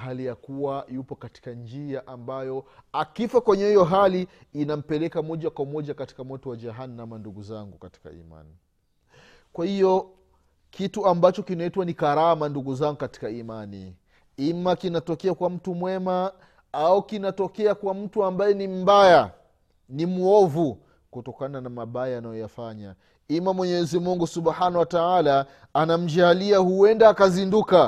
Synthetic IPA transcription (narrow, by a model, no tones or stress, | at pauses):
ɦalijakuwajupɔkati̥kand͡ʒiaʔambajɔ | akifakwɛɲɛhijɔɦaliinam̩pɛlɛkamɔʄakwamɔʄakati̥kamwɔtɔwad͡ʒaɦanːamanduɡuzaŋɡukati̥ka̰ḭma̰ni | kwahijɔ | kʰituambat͡ʃɔkinaitwanikaɾamanduɡuzaŋɡukati̥kaimanḭ | imakinatɔkɛakwam̩tumwɛma | aukinatɔkɛakwam̩tuambajɛnim̩baja | nimuɔvu | kutɔkananamaɓajanajɔjafaɲa | imamwɛɲɛɛzimuŋɡusuɓħanawataalaː | nam̩d͡ʒaliahuwɛndaːkazinduka